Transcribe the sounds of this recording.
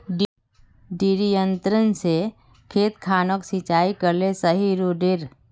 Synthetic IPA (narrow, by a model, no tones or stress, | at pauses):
ɖiɾijə̃nt̪ɾənse | kʰeːt̪kʰaːnoksit͡ʃaːikəɾlesəɦiɾuɖɪɾ